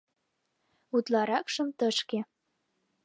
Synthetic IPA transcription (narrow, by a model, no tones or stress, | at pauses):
ut̪lɑɾɑkʃə̆mt̪əʃke